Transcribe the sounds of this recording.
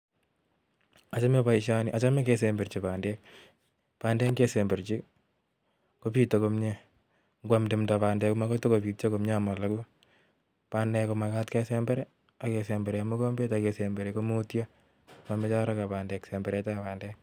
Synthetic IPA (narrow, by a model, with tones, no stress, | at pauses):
at͡ʃa˦mepaiʃani˨ʔa˨t͡ʃa˦me˦kesembe˨ɾt͡ʃipandɛ˦k̚ | pa˨ndɛ˦ŋɡe˦sembe˨ɾt͡ʃi˦ | ko˦pi˦tokomɲe | ŋɡwamdɪ˨mtapaː˨ndɛ˦kɔ˦ma˦ko˦to˦kopi˨t̚t͡ʃo˦komɲama˨la˨ku˦ | panɛko˨ma˨katkɛ˦sɛmbɛɾɛ˦ | a˨kesɛmbɛ˨ɾɛmu˦ko˦mbe˦takesembe˨ɾeko˦motjo | mame˦t͡ʃa˦ɾakapandɛksɛmbɛ˨ɾɛtapandɛ˦k̚